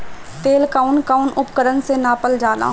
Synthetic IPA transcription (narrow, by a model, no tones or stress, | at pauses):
t̪eːlkaːʊnkaːʊnʊpkəɾənsenaːpəld͡ʒaːla̰ː